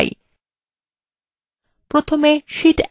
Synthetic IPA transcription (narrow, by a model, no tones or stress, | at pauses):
j̰ | pɾot̪ʰomeʃiʈ